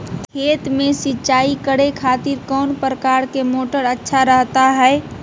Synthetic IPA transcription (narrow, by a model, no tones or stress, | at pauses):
kʰeːt̪mẽsɪt͡ʃaːikəɽekʰaːt̪ɪɾkɔːnpɾəkaɾkemoːʈəɾətːʃʰaɾəɦt̪aɦɛe